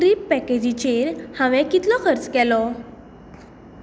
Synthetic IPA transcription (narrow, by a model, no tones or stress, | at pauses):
kɾipːɛked͡ʑit͡ɕeɾhãʋɛ̃kit̪lɔkʰəɾt͡skɛlɔ